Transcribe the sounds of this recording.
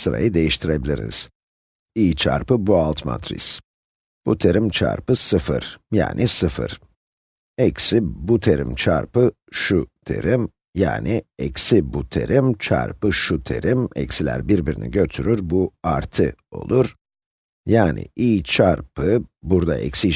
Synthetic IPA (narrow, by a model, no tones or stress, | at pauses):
sɯɾa̰jɯd̪e̞jiʃt̪ʰiɾe̞bilʲiɾḭniz̥ | iːt͡ʃʰa̰ɾpɯbualˠt̪ma̰t̪ʰɾḭs | b̥ut̪ʰe̞ɾimt͡ʃʰa̰ɾpɯsɯfɯɾ̥ja̰ːnʔisɯfɯ̰ɾ̥ | ɛcsibut̪ʰe̞ɾimt͡ʃʰaɾpɯ | ʃut̪ʰe̞̰ɾim | ja̰ːniɛcsibut̪ʰe̞̰ɾimt͡ʃʰa̰ɾpɯʃut̪ʰe̞ɾimɛ̰csilʲæ̰ɾbiɾbiɾinḭɟø̞t̪ʰyɾyɾbuaɾt̪ʰɯo̞̰lˠuɾ̥ | jaːnɪ̰ʔiːt͡ʃʰaɾpɯbuɾd̪aɛcsi